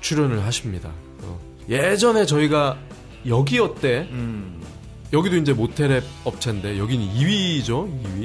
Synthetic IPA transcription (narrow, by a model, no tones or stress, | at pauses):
t͡ɕʰuɾjʌnɯɭɦaɕʰimɲida̰ | ʌ̰ | je̞d͡ʑʌne̞t͡ɕʌiɡa | jʌɡiʌt̚t͈e̞ | jʌɡidoind͡ʑe̞motʰe̞ɾeʌp̚t͡ɕʰende̞jʌɡiniiɥid͡ʑoiɥi